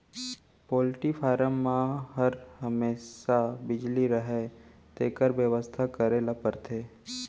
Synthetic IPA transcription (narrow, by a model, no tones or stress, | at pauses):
pɔːlʈifʰaːɾəmːãɦəɾɦəmeːsabɪd͡ʒliɾəɦet̪eːkəɾbjəʋəst̪ʰakəɾeləpəɾt̪ʰeː